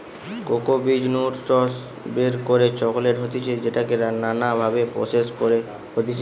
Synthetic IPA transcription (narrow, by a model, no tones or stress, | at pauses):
kokobid͡ʑnuɖʈɔs | beɾkoɾet͡ɕɔkoleɾɦot̪it͡ɕʰed͡ʑeʈakeɾananabʱabepɾo̰seskoɾe | hot̪it͡ɕʰe